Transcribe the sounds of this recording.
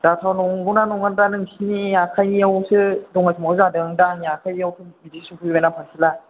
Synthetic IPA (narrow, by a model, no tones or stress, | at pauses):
datʰawnɔŋɡunanɔŋandanɯŋsiniakʰajniawsɯdɔŋajsʰumazadɯaŋdaniakʰajniawsʰɯbidisukʰɯjbajnapʰaŋsʰila